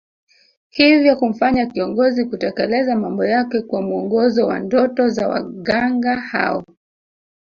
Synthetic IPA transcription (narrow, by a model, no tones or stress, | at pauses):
hivjɔkum̩faɲakiɔŋɡɔzikutakɛlɛzamambɔjakɛkwamuɔŋɡɔzɔwa̰ndɔtɔzawa̰ɠaŋɡaha̰ɔ